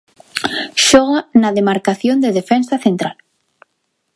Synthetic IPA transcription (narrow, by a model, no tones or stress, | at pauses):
ʃɔɣanaðemaɾkaθjond̪eðefɛnsaθent̪ɾal